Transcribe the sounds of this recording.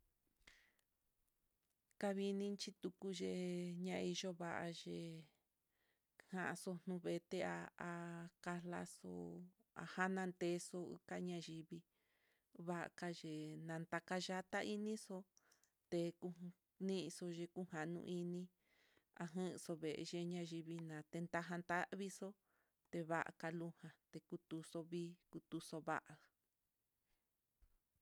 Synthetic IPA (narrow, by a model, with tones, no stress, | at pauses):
ka˧βi˧nĩ˦t͡ʃi˧t̪u˧ku˧ʒe˧ɲã˧i˧ʒo˦βa˧ʔa˧ʒe˧ | hã˧ʔa˧so˧n̥ũ˧βe˧t̪e˦˧a̰˧a˧ka˧la̰˦so̰˧˨ | a̰˧ha˦nã˧nt̪e˧˦so˧ɨ̰˧ka˦ɲã˧ʒi˧βi˧ | βa˦ʔa̰˧˨ka˧ʒe˧nã˧nt̪a˧ka˧ʒa˦t̪a˦ʔi˦nĩ˦so˧˦ | t̪e˧ku˧ | nĩ˦ʔso˧ʒe˧ku˦ha˨nṵ̃˧ʔi˧nĩ˦ | a̰˧ɦɨ̃˦˧so˧βe˨ʔḛ˧ʒe˧ɲã˧ʒi˧βi˧nã˨t̪e˧nt̪a˧ɦã˧nt̪a˦ʔβi˦so˦ | t̪e˧βa˦ʔa̰˨ka˧lu˦hã˧t̪e˧ku˧t̪u˧so˧βiː˦ku˧t̪u˧so˧βa̰˦ʔa˨